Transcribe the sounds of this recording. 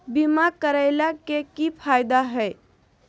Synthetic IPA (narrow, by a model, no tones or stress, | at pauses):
bimakəɾajlakekifʰajd̪aɦɛː